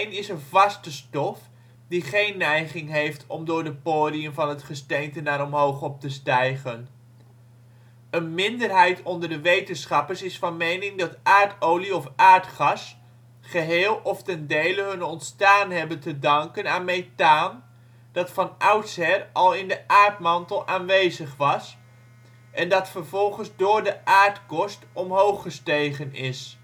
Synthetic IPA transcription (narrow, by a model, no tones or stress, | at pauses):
nɪsənvɑstəstɔf | diχejnːɛjχɪŋɦejftʰɔmdʊːɹdəpoːdiəmvɑnɦətχəstejntənaːɾɔmɦowχɔp̚təstɛjχən | ənmɪndəɹɦɛjtɔndəɹdəʋejtənsχɑpəɹsɪsfɑnmejnɪŋdɑtʔaːɹtowliɔfaːɹtχɑs | χəɦeːlˠɔftɛndejləɦɵnɔntstaːnɦɛbəntədɑŋkənaːnmejtaːn | d̥ɑtfɑnʔʌwtsɦɛrɑlˠɪndəʔaːɹtmɑntəlˠaːnʋejzəχʋɑs | ʔɛndɑtfəɹvɔlˠχənzdʊːɹdəʔaːɹtkɔstɔmɦowχəstejχənɪs